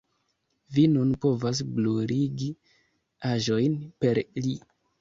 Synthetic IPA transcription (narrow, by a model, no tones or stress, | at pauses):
vinunpo̞vas̬bluɾiɡi | aʒo̞jnpe̞ɾli